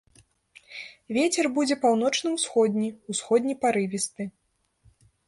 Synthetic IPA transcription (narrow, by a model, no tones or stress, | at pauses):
vʲet͡sʲɛrbud͡zʲɛpawnɔt͡ʂnɨmsxɔd̪ʲnʲiusxɔd̪ʲnʲipaɾɨvʲist̪ɨ